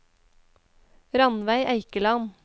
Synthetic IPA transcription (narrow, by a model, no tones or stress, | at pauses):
ɾɑnʋæɪʔæɪkəlɑn